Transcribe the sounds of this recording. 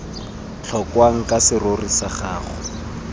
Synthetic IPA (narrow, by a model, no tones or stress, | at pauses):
t͡ɬʰɔkwaŋ̩kʼasɪrorisaχaːχʊ